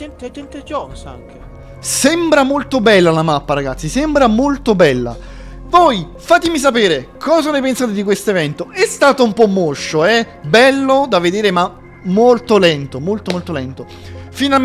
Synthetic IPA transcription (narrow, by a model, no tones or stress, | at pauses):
ɛt̪ɛt̪ɛnt̪ɛd͡ʒɔsaŋke | sɛmbɾamolt̪obɛlːalamapːaɾaɡat̪sːisɛmbɾamolt̪obɛlːa̰ | voj | faːt̪emis̬apeːɾekʰɔːzanejpensaːt̪ed̪ikwest̪oevɛnt̪oɛst̪aːt̪oumpɔmːoʃːoɛ | bɛlːod̪aved̪eːɾema | mːolt̪olɛnt̪omolt̪omolt̪olɛnt̪o | fina